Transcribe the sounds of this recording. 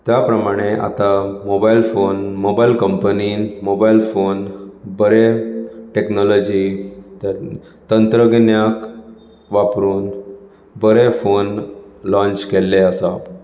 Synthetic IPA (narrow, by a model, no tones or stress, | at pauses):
t̪japɾəmaɽ̃eʔa̰t̪amobailfonmobailkəmpəniːnmobailfonbəɾeʈeknɔlɔd͡ʑit̪əɾ | t̪ənt̪ɾəɡnjak | ʋapɾuːn | bəɾefonlɔ̃ɲt͡ɕkelːeəsa